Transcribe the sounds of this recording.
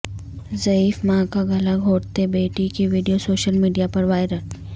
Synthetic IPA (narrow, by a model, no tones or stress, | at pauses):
zɐiːfmãːkaɡɐləɡɦoːʈt̪ebeːʈikiʋiːɖijosoːʃəlmiːɖijapɐɾʋaːɪɾəl